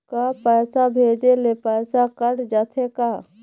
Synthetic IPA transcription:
kapɛːsabʱeːd͡ʒelepɛːsakəɽd͡ʒaːt̪ʰeka

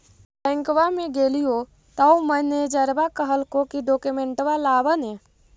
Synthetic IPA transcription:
pɛ̃ŋkʋamẽɡeːlijo | t̪auməned͡ʒəɾbakəɦəlkokiɖoːkumẽɳʈʋalaːʋənẽ

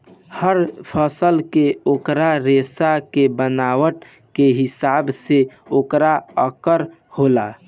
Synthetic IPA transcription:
həɾpʰəsəlkeokɾaɾesakebənawəʈ | keɦisabseokɾaəkəɾ | hola

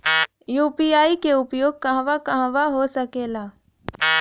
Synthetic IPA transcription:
juːpiaːikeʊpjoːɡ̚kɐɦʋakɐɦãʋaɦosəkeːlaː

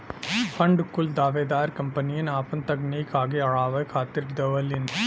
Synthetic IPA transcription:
pʰɐ̃ɳɖkʊld̪aːʋeːd̪aːɾkɐ̃mpənijənaːpənt̪ɐkneikaːɡeɐɭaːʋekʰaːt̪ɪɾd̪ɐʋəlɪn

